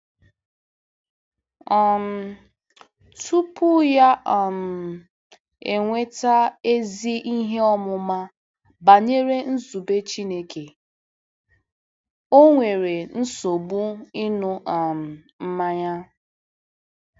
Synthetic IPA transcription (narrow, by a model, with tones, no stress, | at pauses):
ɔ˨m̩˦ | tʰu˦pʊ˦ja˦ʔa˨m̩˨ | e˨ŋʷe˦ta˦e˦zi˦ʔi˦ɦe˦ɔ˦mʊ˦ma˦ | ba˨ɲe˦ɾe˦n̩˦zu˨be˦t͡ʃi˦ne˦kʰe˨ | o˦ŋʷe˨ɾe˨n̩˦so˨bu˦i˦nʊ˦ʔa˨m̩˨ | m̩˦ma˦ɲa˦